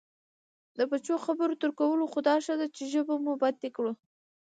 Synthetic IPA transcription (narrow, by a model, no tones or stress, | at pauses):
d̪əbat͡ʃoxabəɾot̪əɾkawəloxʊd̪ɑʃad̪at͡ʃeʒəbamubat̪ːekɽu